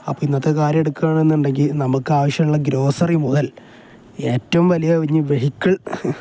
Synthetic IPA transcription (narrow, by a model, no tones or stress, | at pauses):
ɐpːoːinːɐt̪ːekaːɾje̞ɽukːaːɳe̞nːuɳɖe̞ŋɡilnɐmukːɨaːʋɐɕjɐmuɭːɐɡɾo̞ːsɐrimuðɐl | e̞ːtːɐʋumʋɐlijɐkɐʋɐɲːɨʋe̞ɦikʲːɐɭ